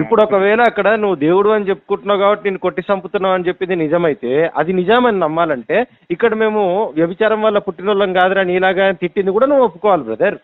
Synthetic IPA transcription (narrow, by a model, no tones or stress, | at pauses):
ipːuɽɔkɐʋɛːlɐːkːɐɽɐnuʋːud̪e̞ːwuɽuɐnit͡ʃe̞pːu̥kuɳʈunːɐːɡaːbɐʈːineːnːuko̞ʈːisɐmput̪unːaːmɐnit͡ʃe̞pːind̪inid͡ʒɐmɐjt̪e̞ːɐd̪inid͡ʒaːmɐninɐmːaːlɐɳʈe̞ː | ikːɐɽɐme̞ːmuʋjɐbit͡ʃaːɾɐmʋɐlːɐpuʈːinulːɐŋɡaːd̪ɾaːniːlaːɡaːnt̪iʈːind̪ikuːɽaːnuʋːuopːu̥kɔːʋaːlibɾɐd̪ʱɐɾ